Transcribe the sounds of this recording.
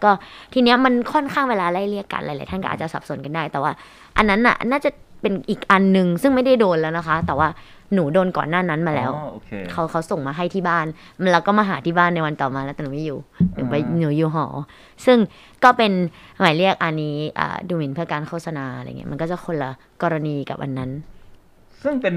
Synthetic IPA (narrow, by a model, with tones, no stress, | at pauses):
kɔː˥˩t̪ʰiː˧ni˦˥ɐma˧nkʰɔ˥˩nkʰaː˥˩ŋweː˧laː˧la˥˩jli˥˩əkːa̰˧nla̰˧˦jlaː˨˦jt̪ʰa˥˩kɔ̰˥ʔːt̚t͡ɕa˨˩sa˨˩p̚su˩˦nka˧ndaː˥˩jt̪ɛː˨˩waː˥˩ | ʔa˧nːa˦˥nʔa̰˨˩naː˥˩t͡ɕa˨˩pe˧nʔiː˨˩k̚ʔa˧nːɯ˨˧ŋsɯ˥˩ŋma˥˩jda˥˩jdoː˧nlɛː˦˥wna˦˥kʰa˦˥t̪ɛː˨˩waː˥˩ | nuː˩˦doː˧nkɔ̰˨˩nːaː˥˩na˦˥nmaː˧lɛː˦˥wʰkʰa˦˥wkʰa˦˥wso˨˩ŋmaː˧ɦa˥˩jt̪ʰiː˥˩baː˥˩n˧ | laː˦˧˩wkɔː˥˩maː˧˩ɦaː˩˦t̪ʰiː˥˩baː˥˩nːa˧jwa˧nt̪ɔː˨˩maː˧lɛ˦˥wt̪ɛː˧nuː˨˩˦miː˥˩juː˨˩nuː˩˦a˧jnuː˩˦juː˨˩ɦɔ̰ː˩˦ | sɯ˥˩ŋ | kɔː˥˩pe˧nmaː˨˩˦li˥˩ək̚ʔa˧niː˦˥ʔa̰ː˨˩duː˧mi˧npʰɯ˥˩ɐkaː˧nkʰoː˥˩t̚sa˧naː˧ɾa̰˧˨ŋḭ˦˥ma˧nkɔː˥˩t͡ɕa˨˩kʰo˧lːa˧ | kɔː˧ɾa˧niː˧ka˨p̚ʔa̰˧nːa˦˥n | sɯ˥˩ŋpe˧